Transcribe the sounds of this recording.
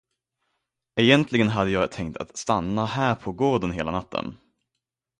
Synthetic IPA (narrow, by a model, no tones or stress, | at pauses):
ɛjɛnt̪lɪɡənɦad̪ːəjɑːɡt̪ʰɛŋk̚t̪ʰa̰t̪st̪anːahæːɾpʰɔɡoːɖ̪ənɦeːlanat̪ːə̰n